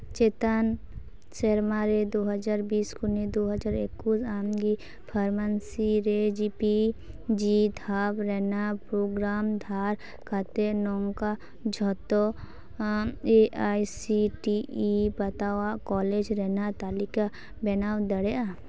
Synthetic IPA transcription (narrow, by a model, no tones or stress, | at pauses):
t͡ʃeːt̪an | t͡ʃeɾmaɾed̪oːɦəd͡ʒaːɾbiːskoned̪oːɦəd͡ʒaːɾekːusamɡi | pʰəɾmənsiɾed͡ʒipi | d͡ʒid̪ʱaːbɾɛnapɾoːɡɾaːmd̪ʱaːɾ | kʰat̪enɔːŋka | d͡ʒʱɔt̪ɔ | eʔaːjsiʈiibɐt̪awakɔːled͡ʒɾɛnat̪aːlika | bɛnawd̪əɽea